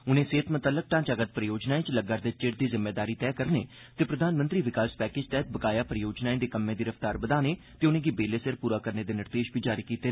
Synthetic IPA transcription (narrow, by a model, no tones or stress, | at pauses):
ʊnẽːseːt̪mət̪ələk̚ʈãːt͡ʃaɡət̪̚pɾəjoːd͡ʒnaːẽːt͡ʃləɡaːɾd̪eːt͡ʃɪʈd̪iːzɪmːeːd̪aːɾiːt̪ɛːkəɾnḛː | t̪eːpɾəd̪ʱaːnmənt̪ɾiːʋɪkaːspɛːkeːd͡ʒt̪ɛːt̪̚bəkaːjaːpɾəjoːd͡ʒnaːẽːd̪eːkəmːẽːd̪iːɾəft̪aːɾbəd̪aːneː | t̪eːʊnẽːɡiːbeːleːsəɾpuːɾaːkəɾneːd̪eːnɪɾd̪eːʃbʱiːd͡ʒaːɾiːkiːt̪eː